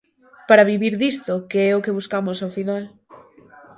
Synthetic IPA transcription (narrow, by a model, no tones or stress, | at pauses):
paɾaβ̞iβiɾðist̪okeɛokeβuskamosafinal